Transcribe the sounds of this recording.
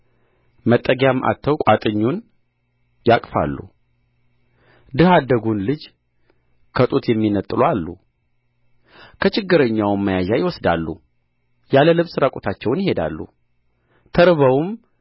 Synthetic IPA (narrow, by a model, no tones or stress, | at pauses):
mət̪ʼːəɡjamʔa̰t̪ʰːəwkʷʼat̪ʼɨɲːun | jakʼfa̰lːṵ | d̪ɨhad̪ːəɡunlɨd͡ʒ | kʰət̪ʼut̪jɛmːinət̪ʼːlualːṵ | kʰət͡ʃɪɡːɨɾəɲːawmːəjaʒajɪwɔsd̪a̰lːṵ | jaləlɨβsɨɾakʼot̪ʰat͡ʃːɛwnjɪhe̞d̪a̰lːṵ | t̪ʰəɾɨβəwum